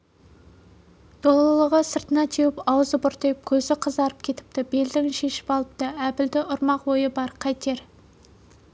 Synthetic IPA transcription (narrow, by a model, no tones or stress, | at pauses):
d̪̥olˠəlˠəʁəsəɾt̪ənɑt̪ʰewɪpɑwəzəbʊɾt̪əjɪp̚kʲʰɵzɪqʰəzd̪ɑɾəp̚kʲʰe̞t̪ɪ̥p̚t̪ɪbe̞ld̪ɪŋʃe̞ʃɪ̥pɑlˠəp̚t̪ɑæpɪld̪ɪʔʊɾmɑqwojəbɑɾqʰɑjt̪e̞ɾ